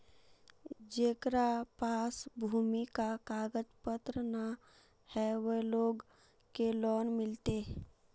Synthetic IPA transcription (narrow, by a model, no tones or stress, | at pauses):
d͡ʒeːkɾapasbʱuːmikakaːɡəd͡ʒpət̪ɾəna | hɛʋəloːɡ | kelɔːnmɪlt̪e